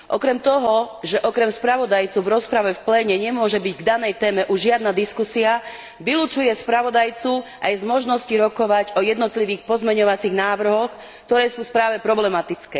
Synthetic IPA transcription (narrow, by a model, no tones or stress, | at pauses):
ʔɔ̰kɾɛmt̪ɔɦɔʒɛʔɔkɾɛmspɾaʋɔd̪ajt͡suvɾɔspɾaʋɛfplɛːɲɛɲɛmʊɔʒɛbiɟɡd̪anɛjt̪ɛːmɛʔuʒʒɪad̪nad̪iskusia | ʋiluːt͡ʃujɛspɾaʋɔd̪ajt͡suʔa̰jzmɔʒnɔsciɾɔkɔʋaɟɔjɛd̪nɔt̪liʋiːxpɔzmɛɲɔʋat͡siɣnaːʋr̩ɦɔx | kt̪ɔɾɛːsuːspɾaːʋɛpɾɔblɛmat̪it͡skɛː